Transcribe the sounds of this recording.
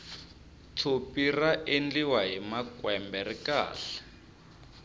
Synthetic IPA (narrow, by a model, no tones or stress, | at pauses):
t͡sʰopiraʔend͡ɮiwaɦimakwɛmbɛrika̰ːɬɛ̥